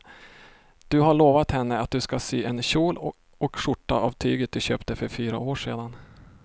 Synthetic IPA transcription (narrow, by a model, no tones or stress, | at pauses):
d̪̥ɵɦaɭoːvat̪hɛnːəat̪̚d̪ɵskasyːʔɛnɕuːl | ɔkʂʊʈːa̰ʔavt̪ʰyːɡət̪̚d̪ɵɕøːpt̪əfœɾfyːɾa̰oːʂḛːd̪an